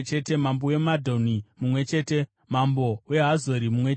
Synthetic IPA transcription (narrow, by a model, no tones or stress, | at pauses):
t͡ʃe̞te̞mamboje̞madʱonimumwe̞t͡ʃe̞ːte̞ | mambo̞we̞ɦazoɾimumwe